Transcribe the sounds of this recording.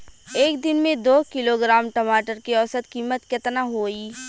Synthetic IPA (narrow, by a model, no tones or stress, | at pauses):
eːk̚d̪ɪnmẽd̪oːkɪloɡɾaːmʈɐmaːʈəɾkiɔːsət̪kiːmət̪kɪt̪naɦoːiː